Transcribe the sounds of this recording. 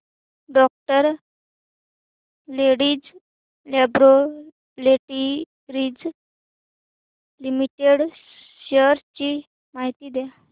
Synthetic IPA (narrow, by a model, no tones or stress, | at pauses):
ɖɔk̚ʈəɾ | leɽiːd͡z | lebɾo | leʈi | ɾiːd͡z | limiʈeɽ | ɕəɾt͡ɕi | maɦit̪iːd̪ja